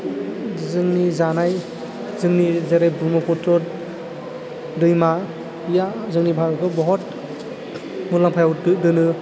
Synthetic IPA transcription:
zɯŋnizanaj | zɯŋnizeɾejbumɔpʰɔtʰɔ | dɯjma | ijazɯŋnibʱaɾkʰɯbɔɦɔt̚ | mulaŋpʰajawdɯdɯnɯ

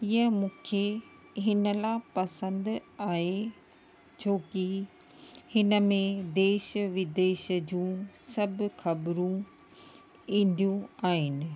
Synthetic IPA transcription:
iə̃mũːkʰe | ɦɪnəlaːpɐsə̃nd̪aːɦe | t͡ɕʰoːki | hɪnəmẽd̪eːʃəʋɪd̪eːʃəd͡ʑũːsɐbʱxɐbɾũ | ĩːn̆d̪ijũaːɦɪnɪ̆

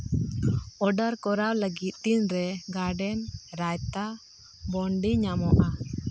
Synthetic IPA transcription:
ɔɖaɾkɔɾawləɡit̪̚t̪inɾɛɡaɖɛnɾajt̪a | bɔɳɖiɲamɔʔa

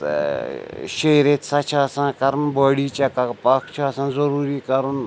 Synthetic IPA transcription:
ʃejɾet̪sat͡ʃʰaːsãːkɐɾnbəːɽiːt͡ʃakɐkpakʰt͡ʃʰaːsãːnzɐɾuːɾiːkɐɾun

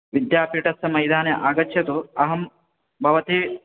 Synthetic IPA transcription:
ʋid̪jaːpiʈɐsɐmɐjd̪ʱaːnjɐʔaːɡɐt͡ʃʰjɐt̪uɐɦɐm | bʱɐʋɐt̪i

